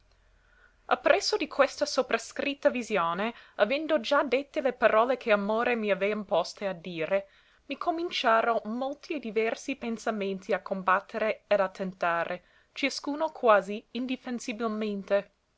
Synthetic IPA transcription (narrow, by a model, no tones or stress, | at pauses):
a̰pːɾɛsːod̪ikʰwest̪asopɾaskɾit̪ːavizjoːneavɛnd̪od͡ʒad̪et̪ːelepaɾʔɔːlekʰeamoːɾemiavɛjampɔst̪ead̪ːiːɾe | mikʰomint͡ʃaːɾomolt̪ʰied̪ivɛrsipensament̪ʰiakʰːombat̪ʰːeɾeːd̪at̪ʰːent̪aːɾʔe | t͡ʃiaskuːnokʰwaːziind̪ifensibilment̪e